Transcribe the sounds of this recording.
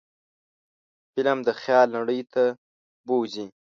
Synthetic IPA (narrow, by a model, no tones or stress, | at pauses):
fɪlamd̪əxjɑlnaɽəjt̪a | bozi